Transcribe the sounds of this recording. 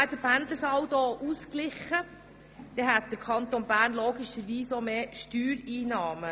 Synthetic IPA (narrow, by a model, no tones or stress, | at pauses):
ædəpænd̪ləsɑwt̪oʔusklɪχːə | d̥ɛɦæt̪̚d̥̪əɾkʰɑnt̪onbæːɾnloːɡiʃəɾʋiːsomeːʃtyːɾiːnɑːmə